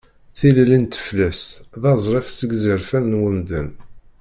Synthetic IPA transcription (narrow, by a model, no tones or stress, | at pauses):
θillint̪ə̥flæsðɑzˤɾˤefsəɡzəɾfænnwəmd̪ən